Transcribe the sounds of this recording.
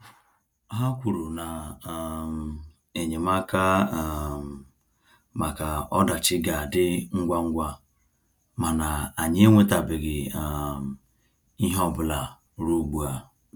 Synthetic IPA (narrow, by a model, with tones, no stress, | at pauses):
ɦa˦kʷu˨ɾu˨na˨ | e˨ɲe˨ma˦ka˦˨ | ma˨ka˨ɔ˦da˨t͡ʃɪ˦ɡa˨dɪ˦ŋ̩˦ɡʷa˦ŋ̩˦ɡʷa˦ | ma˨na˨a˨ɲɪ˦ŋʷe˦ta˨bɪ˨ɡɪ˨ | i˦ɦɔ˦˨bʊ˦˨la˨ | ɾu˦ɡ͡bu˨a˨